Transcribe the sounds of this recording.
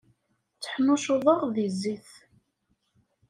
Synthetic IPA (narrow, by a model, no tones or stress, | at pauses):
t͡sːə̥ħmʊʃʊðˤəʁðizːiθ